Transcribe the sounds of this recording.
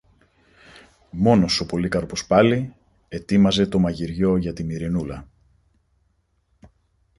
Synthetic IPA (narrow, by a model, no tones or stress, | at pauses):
mo̞no̞so̞po̞likɐɾpospɐli | e̞t̪imɐze̞t̪o̞mɐʝiɾʝo̞ʝɐt̪imiɾinulɐ